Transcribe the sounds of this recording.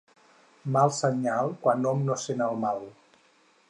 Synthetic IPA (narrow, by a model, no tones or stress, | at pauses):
malˠsəɲalˠkwanɔmnosenəlˠmalˠ